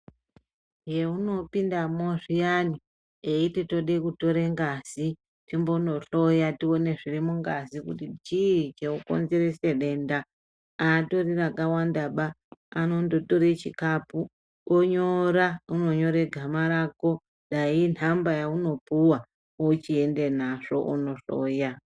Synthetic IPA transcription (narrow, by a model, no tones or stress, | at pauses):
je̞uno̞pindamoʐijani | eiteto̞ɗekuto̞ɾeŋɡazi | timbo̞no̞ɬo̞jatio̞ne̞ʐirimuŋɡazikutit͡ʃit͡ʃeuko̰nze̞ɾese̞ɗe̞nda | ato̞rirakawandaɓaː | no̞ndo̞toɾet͡ʃikapu | oɲoɾauno̞ɲo̞ɾeɡʱamaɾako̞ | ɗain̤ambajauno̞puwa | ot͡ʃie̞nde̞naʐo̞ʔuno̞ɬo̰ːja